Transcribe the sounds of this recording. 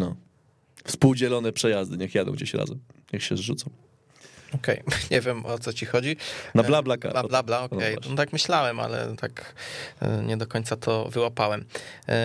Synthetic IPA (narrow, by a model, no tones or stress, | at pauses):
nɔ | fspuwd͡ʑɛlɔnɛpʂɛjazd̪ɘɲɛxjad̪ɔ̃w̃ɡd͡ʑeɕɾa̰zɛmɲɛxɕɛzʐut̪sɔ̃w̃ | ɔkɛjɲɛvʲjɛmʔɔt̪sɔt͡ɕixɔd͡ʑinablablaka̰ablablaɔkɛjat̪akmɘɕlawɛma̰lɛ̰t̪ak | ɲɛd̪ɔkɔɲt̪sat̪ʰɔvɘwapawɛm